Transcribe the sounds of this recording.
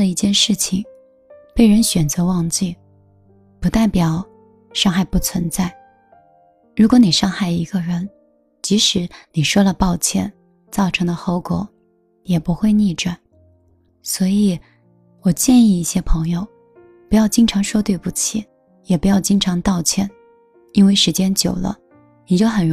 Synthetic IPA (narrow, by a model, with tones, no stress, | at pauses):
lə˩i˥˩t͡ɕjɛ˥˧nʂɻ̩˥˩t͡ɕʰi˨˩ŋ | pe˥˩ɪɻə˧˥nɕɥɛ˨˩nt͡sɤ˧˥wɑ˥˧ŋt͡ɕi˥˩ | pu˧˥t̪a˥˩ɪpjɑ˨˩˦ʊ | ʂɑ˥˧ŋxa˥˧ɪpu˥˩t͡sʰwə˧˥nt͡sa˥˩ɪ | ɻu˧˥kwɔ˧˥ni˨˩ʂɑ˥˧ŋxa˥˩ɪi˧˥ɡə˧ɻə˧˥n | t͡ɕi˧˥ʂɻ̩˧˥ni˨˩ʂwɔ˥lə˨pɑ˥˧ʊt͡ɕʰjɛ˥˩n | t͡sɑ˥˩ʊʈ͡ʂʰɤ˧˥ŋd̪ə˧xo˧˥ʊkwɔ̰˨˩ | jɛ˨˩pu˧˥xwe˥˧ɪni˥˩ʈ͡ʂa˨˩˦n | swɔ˧˥i˨˩ | wɔ˨˩t͡ɕjɛ˥˧ni˥˧i˥˩ɕjɛ˥pʰɤ˧˥ŋjo˥˧ʊ | pu˧˥jɑ˥˩ʊt͡ɕi˥ŋʈ͡ʂʰɑ˧˥ŋʂwɔ˥t̪we˥˩ɪpu˥˩t͡ɕʰi˨˩˦ | jɛ˨˩pu˧˥jɑ˥˩ʊt͡ɕi˥ŋʈ͡ʂʰɑ˧˥ŋt̪ɑ˥˧ʊt͡ɕʰjɛ˥˩n | i˥nwe˥˩ɪʂɻ̩˧˥t͡ɕjɛ˥nt͡ɕjo˨˩ʊlə̰˦ | ni˨˩t͡ɕjo˥˩ʊxə˨˩